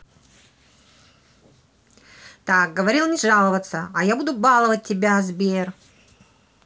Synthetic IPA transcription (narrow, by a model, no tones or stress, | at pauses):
t̪ak̚ɡəvɐɾʲilˠnʲɪʐalˠəvət̪səɐjabud̪ʊbalˠəvət̚ʲːɪbʲazbʲer